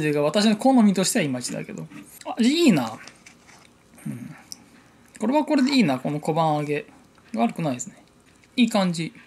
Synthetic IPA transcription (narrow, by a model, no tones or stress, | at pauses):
d͡ʑiɡaβat̪aɕ̬inoko̞nomʲit̪o̞ɕi̥t̪eaimait͡ɕid̪a̰ke̞̰d̪o̞̰aʑiiːnaː | ɯ̟̃ɴ | ko̞ɾe̞βako̞ɾe̞d̪e̞iːnako̞no̞ko̞bãɰ̃aɡe̞ | ɡaaɾɯ̟kɯ̟naid̪sɨne̞ | iːkãɲ̟d͡ʑi